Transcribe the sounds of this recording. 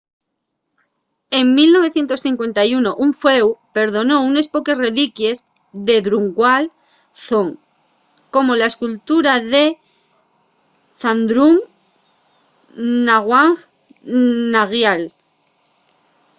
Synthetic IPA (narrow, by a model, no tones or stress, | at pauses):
e̞ŋmilno̞β̞e̞θje̞nt̪osθiŋkwe̞nt̪ajuno̞ʔuɱfewpe̞ɾðo̞no̞une̞spo̞ke̞sre̞likje̞z | ðe̞ðɾuŋɡwal | θoŋ | ko̞mo̞laeskult̪uɾaðe̞ | θand̪ɾum | naɣwaŋ | naɣjal